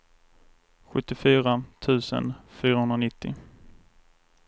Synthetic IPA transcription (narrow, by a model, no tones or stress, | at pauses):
ɧɵt̪ːɪfyːɾat̪ʰʉ̟ːsə̰nfyːɾahɵnanɪt̪ːɪ̰